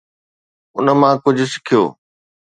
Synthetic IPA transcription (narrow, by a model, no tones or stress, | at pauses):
ʊnə̆mãkʊd͡ʑʱʊ̆sɪ̥kʰijo̰ː